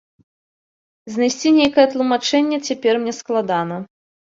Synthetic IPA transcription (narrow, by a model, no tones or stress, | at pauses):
zʲnajsʲt͡sʲinʲejkɐjɛt̪lˠumat͡ʂɛnʲːɛt͡sʲapʲɛrmnʲɛsklˠad̪anɐ